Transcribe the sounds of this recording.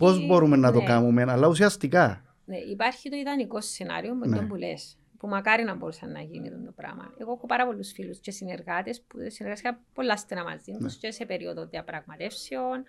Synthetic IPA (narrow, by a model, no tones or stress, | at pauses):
po̞zbo̞ɾumenːɐt̪o̞kamumenɐlːɐusiɐst̪ikɐ | ne̞ʔipɐɾçit̪oiðɐniko̞sːenɐ̰ɾiomeembule̞̰s | pumɐkɐɾinɐmbo̞ɾusɐnːɐ̰ʝinḭðund̪opɾɐ̰mɐ̰ne̞ɣo̞exopɐɾɐpo̞lːusfilusce̞sine̞ɾɣɐt̪espusineɾɣɐst̪ikɐpolːɐst̪enɐmɐ̰zðind̪uscese̞pe̞ɾio̰ðoðeɐpɾɐɣmɐt̪e̞fsion